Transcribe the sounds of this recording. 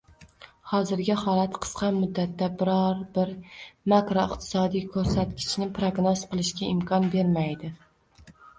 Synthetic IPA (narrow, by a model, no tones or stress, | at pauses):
hɒzɪɾɡʲahɒlˠat̪qʰɨ̥sqɑmʊd̪ːat̪ːabɪɾɒɾbɪɾmakɾoɪqt̪ʰɪ̥sɒd̪ijkʰɵɾsat̪kʲʰɪ̥t͡ʃnɪpɾoɡnozqɨlˠɪʃkʲaɪmkʰɒnbe̞ɾmajd̪ɪ